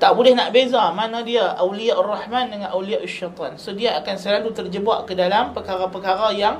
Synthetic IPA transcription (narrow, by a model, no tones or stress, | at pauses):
t̪aʔbudɛhnaʔbezamanãdiaʔawlijaʔarˤːɑħmandəŋãnʔawlijaʔaʃːat̪ˤɑnsodiaːkansəlalut̪ərd͡ʒəbaʔkədalampəkaɾapəkaɾajaŋ